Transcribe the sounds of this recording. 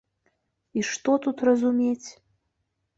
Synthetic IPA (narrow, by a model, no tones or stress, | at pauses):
iʃt̪ot̪ut̪rɐzumʲetʲ